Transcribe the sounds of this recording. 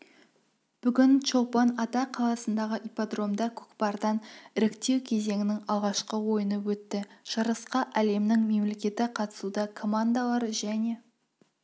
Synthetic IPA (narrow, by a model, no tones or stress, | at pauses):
b̥ʏɡʲɪnʃo̞pɑnɑt̪ɑqʰɑlˠɑsənd̪ɑʁəʔipad̪ro̞md̪ɑkʲʰɵ̥kpɑɾd̪ɑnɪɾɪkt̪e̞wkʲʰe̞ze̞ŋɪnɪŋɑlˠʁɑʃqəwo̞jənəwɵt̪ːɪʒ̥ɑɾəsqɑʔæle̞mnɪŋme̞mle̞kʲe̞t̪ɪqʰɑt̪ə̥sud̪ɑkʰo̞mand̪alˠɑɾəʒæne̞